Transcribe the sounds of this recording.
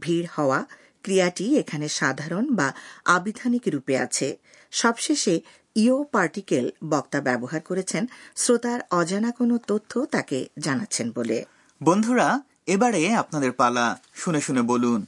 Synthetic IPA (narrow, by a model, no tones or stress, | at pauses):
bʱiɾhɔoa | kɾijaʈiekʰaneʃad̪ʱaɾonbaabid̪ʱanikɾupea̰t͡ɕʰe | ʃɔbʃeʃe | iopaɾʈikelbɔkt̪abɛboɦaɾkoɾet͡ɕʰensɾot̪aɾɔd͡ʑanakonot̪ot̪ʰːot̪aked͡ʑanatːɕʰenbolḛ | bond̪ʱuɾa | ebaɽeapnad̪eɾpalaʃuneʃunebolun